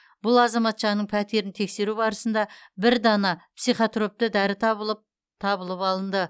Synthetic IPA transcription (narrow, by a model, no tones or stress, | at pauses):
b̥ʊlˠɑzɑmɑt̪ʒɑnəɴpʰæt̪e̞ɾɪnt̪ʰe̞kse̞ɾubɑɾəsənd̪ɑbɪɾd̪ɑnɑpsijχot̪ro̞p̚t̪əd̪æɾɪt̪ʰɑbəəp̚ | t̪ʰɑbəlˠəpɑlˠənd̪ə